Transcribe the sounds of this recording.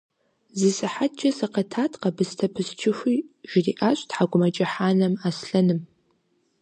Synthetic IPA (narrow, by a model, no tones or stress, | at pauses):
zisɨħatd͡ʒʼɐsɐqɐtʰaːtʰʼqɐbɨstʰɐpʰɨst͡ʃʰɪxʷiʒ̥ɪriːʔaːɕʷʼtħaɡʷʊmɐt͡ʃʼɐħaːnɐmaːsɬɐnɨm